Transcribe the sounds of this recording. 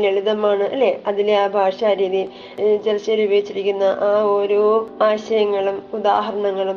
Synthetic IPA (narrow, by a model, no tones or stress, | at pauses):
leɭuðɐmaːɳɨʔɐlːeɐðileaːbʱaːʂaːɾiːði | t͡ɕerɐt͡ɕːeɾubʱɐɡit͡ɕːiɾikʲːunːɐʔaːoɾoːaːɕɐjɐŋːɐɭumud̪aːɦɐɾɐɳɐŋːɐɭum